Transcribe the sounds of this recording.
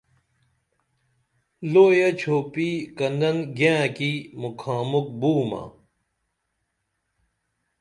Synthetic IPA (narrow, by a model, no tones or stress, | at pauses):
loːjɐt͡ɕʰoːpikɐndɐnɡjãːkimukʰaːmuk̚buːma̰